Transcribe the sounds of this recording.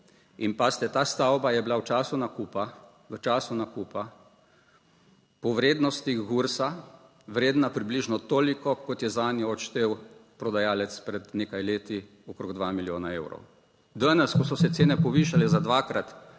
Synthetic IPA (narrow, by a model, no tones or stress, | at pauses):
inpast̪ɛt̪aːst̪awbajɛblawt͡ʃaːsunakupa | ʋət͡ʃaːsunakuːpa | pɔʋɾeːd̪nɔst̪iɣɡuɾsa | ʋɾeːd̪napɾibliʒnɔt̪oːlikɔkɔt̪jɛzaːnjɔɔʃt̪eːwpɾɔd̪ajaːlɛt̪spɾɛd̪neːkajleːt̪i | ɔkɾoɡd̪ʋamiljoːnaeːwɾɔ̰w | d̪anɛskɔsɔsɛt̪seːnɛpɔʋiːʃalɛzad̪ʋakɾat̪